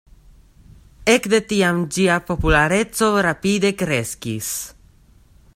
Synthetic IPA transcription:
ekd̪et̪iamd͡ʒiapopulaɾet͡sorapid̪ekɾeskis

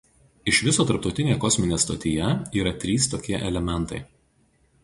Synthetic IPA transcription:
ɪʃʋʲɪsoːt̪ɐɾp̚t̪ɒʊt̪ʲɪnʲejɛkɔsʲmʲɪnʲeːst̪ɐt̪ʲɪjɛiːɾɐt̪ʲɾʲiːst̪oːkʲiɛʔɛlʲɛmʲɛnˑt̪ɐɪ

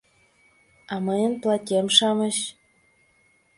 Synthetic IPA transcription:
ɑmɤjənplˠɑtʲemʃɑmə̆ɕ

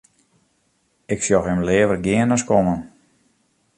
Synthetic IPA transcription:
ɪksjɔxɪmlɪəvərɡɪənaskɔmən

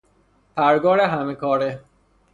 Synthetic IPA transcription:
pʰæɾɡɒːɾeɦæmekʰɒːɾe

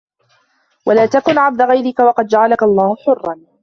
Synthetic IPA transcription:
walaːt̪akʊnʕab̚d̪aɣajɾɪkawɑqɑd̪d͡ʒaʕalakaʔlˤːɑːhʊħʊrˤːɑn

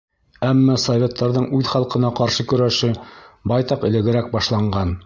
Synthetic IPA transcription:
æmːɑsovʲet̪ːɑɾðɤɴʉðχɑlˠqɤ̆nɑqɑɾʃɤkɵ̆ɾæʃɘbɑjt̪ɑqɘ̆lɘ̆ɡɘ̆ɾæk̚bɑʃlˠɑɴɢɑn

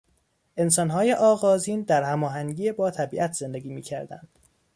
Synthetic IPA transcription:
ʔe̞ns̬ɒːnɦɒːje̞ʔɒːɣɒːziːnd̪æɾhæmɒːɦæŋɟiːebɒːt̪ʰæbiːʔæt̪ʰz̥e̞nd̪e̞ɡiːmiːcʰæɾd̪æ̰nd̪̥

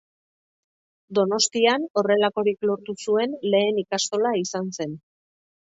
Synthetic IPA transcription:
d̪o̞no̞st̪iano̞re̞lako̞ɾiklo̞ɾt̪usue̞nle̞ːnikast̪o̞laisanse̞n

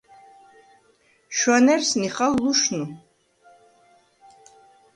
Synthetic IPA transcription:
ʃwanɛɾsniχalːuʃnu

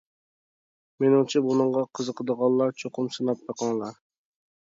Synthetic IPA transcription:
menɪŋt͡ʃʰɛbunɨŋʁɑqʰəzəqʰəd̪əʁɑnˠlːˠɑɾt͡ʃʰoqʰʊmsɨnɑp̪̚bɑqɑŋlˠɑɾ

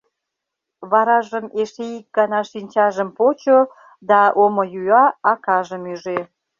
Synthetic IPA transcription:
βɑɾɑʒəmeʃeik̚ɡɑnɑʃinʲt͡ɕɑʒəmpot͡ɕo | d̪ɑʔomojyɑɑkɑʒəmyʒe

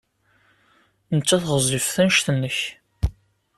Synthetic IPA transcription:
nət͡sːæθʁəzˤifθænʃθənːəç

